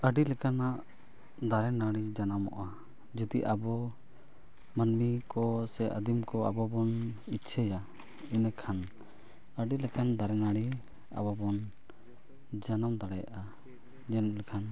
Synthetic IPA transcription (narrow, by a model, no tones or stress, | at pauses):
əɖilɛkanaʔ | d̪aɾɛnaɽid͡ʒanamɔ̰ʔa | d͡ʒud̪iʔabɔ | mənmikɔsɛʔə̰d̪imkɔabɔbɔnitt͡ʃʰəja | inəkʰan | əɖilɛkand̪aɾɛnaɽi | a̰bɔbɔn | d͡ʒanamd̪aɽɛja̰ʔa | d͡ʒɛnlɛkʰan